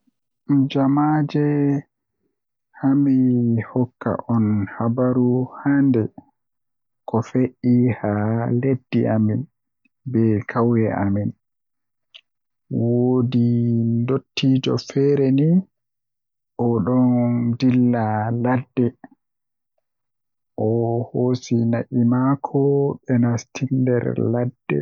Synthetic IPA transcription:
d͡ʒamad͡ʒɛ | hamihɔkːa̰ʔɔnhabaɾuhandɛ | kɔfeʔːihaledːiʔamin | bɛkʰawjɛʔamin | wodindotʰːiːd͡ʒɔ̰fɛɾɛni | ʔɔɗɔndilːaladːɛ | ʔɔhoːsinaʔimakʰɔɓɛnastʰindɛ̰ɾladːɛ̰

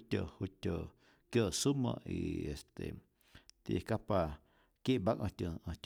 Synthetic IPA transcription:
t̪ʲohut̪ʲo | kjosumə̰̃ḭest̪e | t̪ḭkapa | kjeʔbaʔʔə̃t̪ʲjõʔə̃t̪ʲ

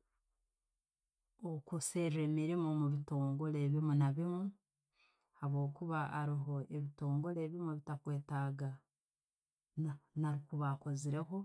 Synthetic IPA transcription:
okuse̞ɾeːmiɾimomuβito̞ːŋɡo̞le̞βimunaβimu | haβo̞ːkuβaːɾiɦo̞eβito̞ːŋɡo̞le̞βimuβitakwe̞ːtaɡa | naɾikuβako̞ziɾe̞ɦo̞

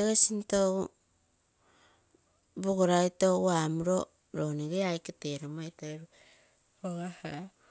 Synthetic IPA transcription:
eɣesintou | boɡoɾajtouamuɾo̞ | ɾoneɡeajketeɾomajtaɾu | oɡaha

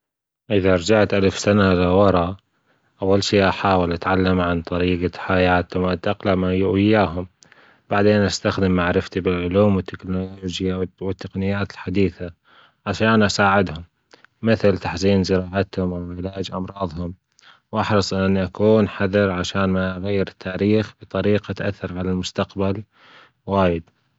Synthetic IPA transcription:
ʔɪðaɑɾˤd͡ʒaʕt̪ʔalfsanaʔlawɑɾˤɑ | ʔawːalʃiːʔaħaːwɪlʔat̪ʕalːamʕant̪ˤɑɾiːɡaħajaːt̪hʊmʔat̪ːʔaqlamajʔɪjːaːɦʊm | baʕd̪eːnʔast̪axd̪ɪmːaʕɾɪft̪ibɪlʕʊluːmwɪt̪ʰːɪknoloːd͡ʒjawɪt̪ːaqnɪjːaːt̪ɪlħad̪iːθa | ʕaʃaːnʔasaːʕɪd̪hʊmː | ɪθlt̪aħziːnzɪɾɑːʕat̪hʊmʔawʕɪlaːd͡ʒʔɑmɾˤɑːðˤhʊm | wʔɑħɾɨsˤʔɪnʔnːiʔakuːnħaðɪɾʕaʃaːnmaʔaɣajːɪɾɪt̪ʰːaːɾiːxb̥ɨt̪ˤɑɾiːqʔat̪ʔaθːɑɾˤʕalalmʊst̪aqbal | waːjɪd̪̚

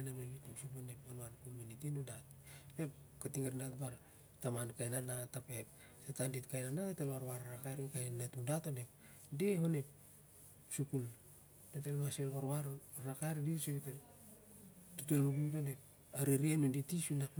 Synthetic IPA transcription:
namenitusuponeponankominitinudatpep̚katiŋaɾnatbaɾ | tamankajnanatapep̚satanditkajnanatatelaɾwaɾɾakajɾikajnanatudatone̞p | dehone̞p̚ | sukul | datelmaselaɾwaɾɾakajɾdisoβite | tutolmuɡudonep̚ | aɾiɾienuditisunak

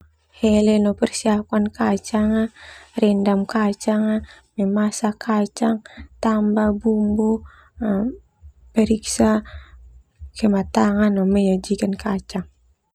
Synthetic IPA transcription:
hɛlɛnɔpɛrsiakankat͡ʃaŋarɛndamkat͡ʃaŋa | mɛmasakʰat͡ʃaŋt̪ambabumbɔ | pɛɾiksa | kɛmat̪aŋanɔmɛɲad͡ʒikankat͡ʃaŋ

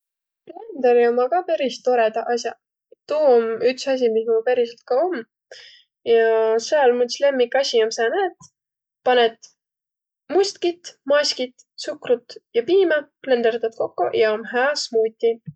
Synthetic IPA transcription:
plend̪̥eɾiomɑkɑpæɾist̪o̞ɾed̪ɑʔɑsʲjɑ | t̪uːomyksɑs̬ʲimismupæɾiselt̪̚kɑomː | jɑseɑlmut̪ʲisle̞mːikːɑsʲiomsɑːnæːt̪ | pɑnet̪ | musʲt̪kit̪mɑsʲkit̪ | sukrut̪jɑpiːmɑple̞nd̪ert̪ɑt̪̚ko̞kːo̰jɑomɦæːsmuːt̪ʲːi

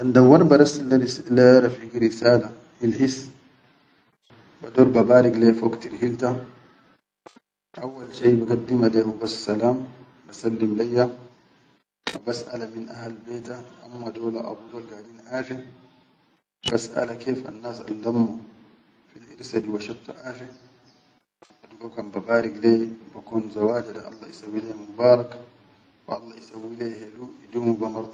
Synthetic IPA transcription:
ʔand̪awaɾbaɾasalːaɾslaɾafiɡiɾisaːla | hilhis | bad̪oːɾbabaːɾiɡlefoɡt̪iɾhilt̪a | ʔawːalʃejbaɡad̪ːimalemabassalaːm | basalːimlajːa | abasʔa̰laminʔahalbeːt̪aʔamːad̪oːlaʔa̰bud̪oːlɡaːliːnʔaːʒe | basʔa̰lakeːfʔa̰nːaːsa̰ldamːu | finaʔiɾsadiwaʃat̪ːṵʔaːʃe | aduɡakambabaːɾiɡleːbakuːnzawaːd͡ʒadaʔɑ̰lˤːɑisawːileːmubaːɾˤɑk | waʔɑlˤːɑisawːileːheluidumubamɑɾˤd̪ˤ

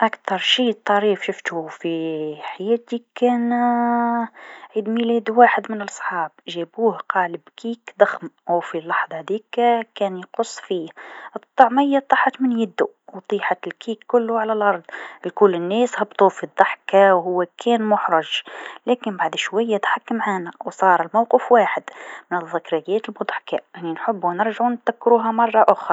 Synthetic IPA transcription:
ʔækt̪ɑɾˤʃiːt̪ˤːɑɾiːfʃʊft̪ufiħajæːt̪ikæːn | ʕid̪milæːd̪waːħəd̪mɪnəlʔɑsˤħɑːbʒæbuːhqɑːləbkʰiːkd̪ˤɑxmʔawfilːɑħðˤɑd̪iːkkæːnjqʊsˤːfiːhʔɨt̪ˤːɑʕmɪjːat̪ˤːɑːħɑt̪mɪnjɪd̪ːu | wt̪ˤiːħɑt̪ɪlkiːkːʊlːʊʕalælʔɑɾˤd̪ˤlkʊlːɪnːɛːshɑbt̪ˤuːfid̪ˤːɑħkawɦʊwːækʰɛːnmʊħɾˤɑʒlæːkɪnbaʕd̪ʃwæjːæt̪ħakːamʕaːnæwsˤɑːɾˤɪlmawqəfwaːħɪd̪mɪnəðˤːɪkɾajæːt̪əlbʊd̪ˤħkaʔɪnːinħʊbːwnɪɾʒaʕunt̪ðækːɾuːɦamɑrˤːɑʔʊxɑ

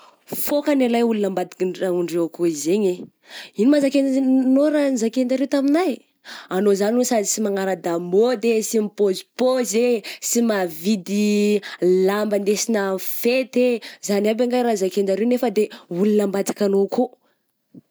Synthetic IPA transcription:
fokanalajulunambad̪i̥kauɳɖ͡ʐewakoizeɲe | inimazakennoranzakend̪aɾewt̪aminaj | anozaniosad̪isimaŋaɾəd̪amod̪esimipozi̥pozesimavid̪i | lambənd̪esinəfet̪ezaniabaŋɡajɾazakend̪aɾewnefəd̪eulunambad̪ikanoko

